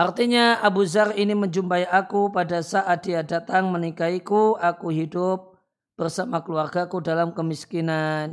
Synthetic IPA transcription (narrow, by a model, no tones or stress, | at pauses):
ʔart̪iɲaabuzariniməɲd͡ʒumpaiʔakupadasaʔadiadat̪aŋmənikaikuakuɦidʊp̚ | b̥ərsamakəluarɡakudalamkəmiskinan